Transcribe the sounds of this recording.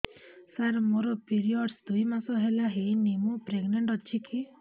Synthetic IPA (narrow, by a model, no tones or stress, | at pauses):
saɾmoɾɔpiɾiɔɖsd̪ujmasɔɦelaɦejnemupɾeɡneɳʈɔt͡ʃʰiki